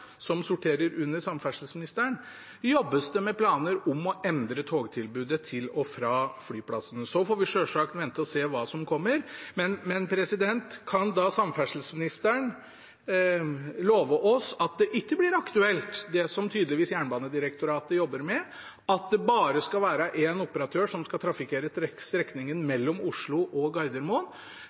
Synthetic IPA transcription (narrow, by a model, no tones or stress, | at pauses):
sɔmsʊʈʰeːɾəɾʉnːəsɑmfæʂl̩smɪnɪst̪əɳ | jɔbːəst̪əmɛpʰlɑːnəɾɔmɔʔɛnd̪ɾət̪ʰoːɡt̪ʰɪlbʉːd̪ət̪ʰɪlɔfɾɑːflyːpʰlɑsənsɔfoːɾʋɪʂøːʂɑkt̪ʋɛnt̪əɔseːʋɑːsɔmkʰɔmːəɾmɛnmɛnpʰɾɛsɪd̪ɛnt̪kʰɑnd̪ɑsɑmfæʂl̩smɪnɪst̪əɳ | loːʋəʔɔsɑt̪̚d̪ɛʔɪkːəblɪɾɑkt̪ʉɛlt̪d̪ɛsɔmt̪ʰyːd̪lɪʋiːsjæːɳbɑːnəd̪ɪɾəkt̪ʊɾɑːt̪əjɔbːəɾmɛ | ɑt̪̚d̪ɛbɑːɾəskɑlʋæːɾəʔɛnʊpəɾɑt̪ʰøːʂɔmskɑt̪ʰɾɑfɪkʰeːɾəst̪ɾɛkːnɪŋənmɛlːɔmʊʂɭʊʔɔɡɑɪd̪əɾmoːn